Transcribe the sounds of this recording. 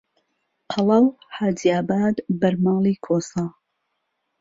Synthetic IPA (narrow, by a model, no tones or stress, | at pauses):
qʰɑlɐwħaːdiaːbaːd̪bɐɾmɑːlˠiːkʰoːsɑː